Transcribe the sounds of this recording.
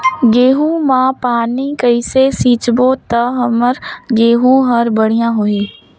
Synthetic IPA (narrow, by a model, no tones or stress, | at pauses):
ɡeːɦũmãːpaːniːkəisesiːt͡ʃboːt̪əɦəməɾɡeːɦũɦəɾbəɽ̤ijãːɦoeː